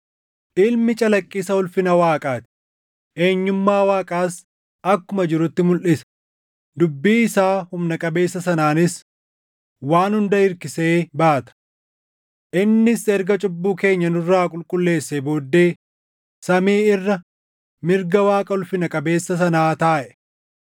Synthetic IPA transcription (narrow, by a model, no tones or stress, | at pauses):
ʔɪlmɪt͡ʃʼɐlɐkʼːɪsɐʊlfɪnɐwaːkʼaːt̪ɪ̥ | ʔe̞ːɲːʊmːaːwaːkʼaːs | ɐkːʊmɐd͡ʒɪɾʊt̪ːɪmʊlʔɪsɐ̥ | d̪ʊbːiːɪsaːhʊmnɐkʼɐbe̞ːsːɐsɐnaːnɪs | waːnhʊnd̪ɐɪɾkɪseːbaːt̪ɐ̥ | ʔɪnːɪsɛɾɡɐt͡ʃʼʊbːuːke̞ːɲːɐnʊrːaːkʼʊlkʼʊlːe̞ːsːebo̞ːd̪ːe̞ː | sɐmiːɪrːɐ | mɪɾɡɐwaːkʼɐʊlfɪnɐkʼɐbe̞ːsːɐsɐnaːt̪aːʔɛ̥